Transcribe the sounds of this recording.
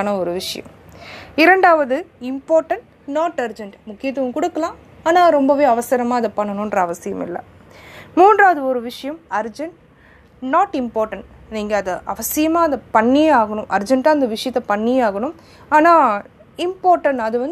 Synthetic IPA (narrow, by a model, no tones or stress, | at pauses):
nɐɔɾɯʋɪʂɐjɐ̰̃m | ɪɾɐɳɖaːʋɐðɯɪmpaːɾʈɐɳʈ | naːʈɐɾd͡ʒɐɳʈmʊkːɪjɐt̪ːɯʋɐkʊɽɯkːɐlãː | aːnaːɾɔmbɐʋeːɐʋɐsɐɾɐmaːɐðɐpɐɳːɐnʊ̃ndrɾɐɐʋɐsɪjɐmɪ̰lːɐ̰ | muːndraːɐðɯɔɾɯʋɪʂɐjɐmɐɾd͡ʒɐɳʈ | naːʈɪmpaːɾʈɐɳʈ | niːŋɡɐːðɐʔɐʋɐsɪjɐmaːɐnd̪ɐpɐɳːijeaːɣɐɳʊ̃mʔɐɾd͡ʒɐɳʈaːɪnd̪ɐʋɪʂɐjɐt̪ːɐpɐɳːijeaːɣɐɳɯm | aːnaː | ɪmpaːɾʈɐɳɐðɯʋɐn